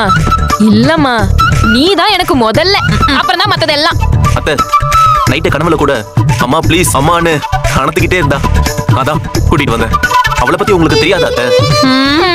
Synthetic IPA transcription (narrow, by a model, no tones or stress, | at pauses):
ɪlːɐmːaːniːt̪ãːɛnɐkːɯmɔðɐlːɛɐpːɯɾɔ̃nãːmɐt̪ːɐðɛlːãːɐt̪ːeːnɐɪʈːɐkɐɳɐʋɐlkuːɽɐɐmːaːpɭiːsɐmːaːnːɯkɐnɐt̪ːɯkːɪʈːeːɪɾɯnd̪ãːnaːt̪ãːkuːʈːɪʈːɯʋɐnd̪ɛ̰ɐʋɐɭɐpɐt̪ːiʊŋɡɐɭɯkːɯt̪ɛɾɪjaːðɐɐt̪ːeː